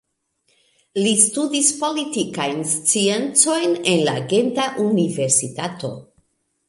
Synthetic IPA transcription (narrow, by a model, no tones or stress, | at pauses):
list̪udispo̞lit̪ikajnst͡sient͡so̞jnenlaɡe̞nt̪aʔuniveɾsit̪at̪o̞̰